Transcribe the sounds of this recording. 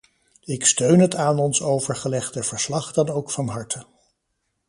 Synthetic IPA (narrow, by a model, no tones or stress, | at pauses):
ɪkstøɥnɦətaːnɔnsowvəɹχəlɛχdəv̥əɹslɑχdɑnowkfɑnɦɑɹtʰə